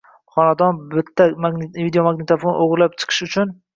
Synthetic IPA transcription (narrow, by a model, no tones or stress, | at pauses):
χɒnad̪ɒnbɪt̪ʰːamavid̪ejomaɡnɪt̪ʰafonoʁɾlap̚t͡ʃʰɨ̥qʰɨ̥ʃʊt͡ʃʰʊn